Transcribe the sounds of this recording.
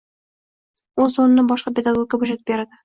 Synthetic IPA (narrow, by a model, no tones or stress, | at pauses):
ozzonnɪŋbɒʃqɑpʲed̪aɡoɡʲabʊʒet̪̚beɾad̪ɪ